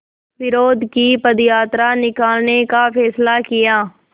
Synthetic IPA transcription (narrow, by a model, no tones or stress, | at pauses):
ʋɪɾoːd̪ʱkipəd̪jaːt̪ɾanɪkaːlnekapʰɛːslakɪjaː